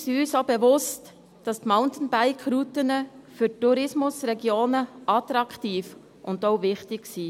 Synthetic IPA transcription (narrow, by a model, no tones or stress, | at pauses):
siyːsobevʊst | d̥ɑstmaʊntən̩baɪkʰɾutənəfyɾtːuɾɪsmʊsɾɛɡjoːnəʔɑtɾɑktiːf | ʔʊndoʊvɪχtɪɡsiː